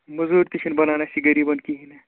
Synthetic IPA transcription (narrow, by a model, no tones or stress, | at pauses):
mɐzuːɾt̪it͡ʃʰinbɐnanasiɡɐɾibɐnkiɦine